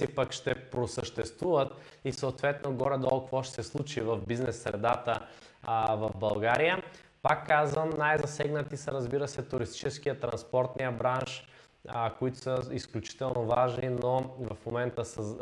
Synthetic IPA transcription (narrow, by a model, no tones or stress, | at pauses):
ipəkʃt̪ɛpɾosəʃt̪ɛst̪vuvət̪ | isoːt̪vɛt̪noɡɔɾɛd̪ɔlˠkvɔʃt̪ɛsɛslˠut͡ʃivɐvbiznɛsːɾɛ̰d̪at̪ə | vɐvbɐlˠɡaɾijə | pakːazvəmnajzɐsɛɡnət̪isəɾɐzbiɾəsɛt̪ʊɾist̪i̥t͡ʃɛskijət̪ɾɐnspɔɾt̪nijəbɾanʃ | koit̪ʊ̥səisklʲut͡ʃi̥t̪ɛlˠnovaʒninovɐfmomɛnt̪əsə